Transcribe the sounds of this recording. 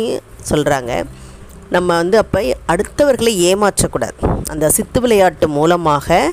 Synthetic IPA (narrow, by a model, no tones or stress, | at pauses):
sɔlraːŋɡɐ̰ | nɐmːɐʋɐnd̪ɯɐpːɐɪɐɽɯt̪ːɐʋɐɾɣɐɭeeːmaːʈrɐkːuːɽa̰ːðɯʔɐnd̪ɐsɪt̪ːɯʋɪlɐjaːʈːɯmuːlɐmaːɣɐ